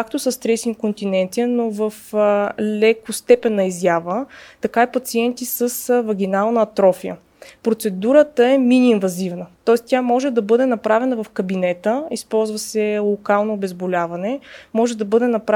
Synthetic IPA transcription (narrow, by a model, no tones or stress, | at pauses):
ak̚t̪osɐst̪ɾɛsikont̪inɛnt̪iənovɐflɛkʊst̪ɛpɛnːɐizjavət̪ɐkaipɐt̪siɛnt̪isəsvɐɡ̟ʲinalˠnəːt̪ɾɔfijə̰ | pɾot̪sɛd̪uɾət̪əɛminʲiːnvɐzivnət̪ɔɛst̪jamɔʒɛd̪ɐbɤd̪ɛnɐpɾavɛnɐvɐfkɐbinɛt̪əispɔlˠzvɐsɛlˠokalˠnoːbɛzbolʲavɐnɛmɔʒɛd̪ɐbɤd̪ɛnɐpɾ